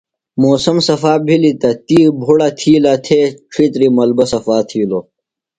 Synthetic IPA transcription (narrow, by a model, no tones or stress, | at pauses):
moːsɐmsɐfaːbʱilit̪ɐt̪iːbʱuɽɐt̪ʰiːlɐt̪ʰeʈ͡ʂʰit̪ɾimɐlbɐsɐfaːt̪ʰiːlo